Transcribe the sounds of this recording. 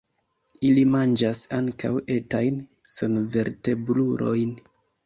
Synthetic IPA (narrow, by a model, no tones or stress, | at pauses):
ilimand͡ʒasaŋka̰we̞tajnsenve̞ɾte̞bluɾʔo̞̰jn